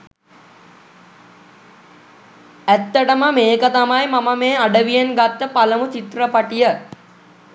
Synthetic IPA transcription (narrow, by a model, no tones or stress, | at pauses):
æt̪ːəʈəməmeːkət̪amajmaməmeːaɖəʋijenɡat̪ːəpaləmut͡ʃit̪ɾəpaʈijə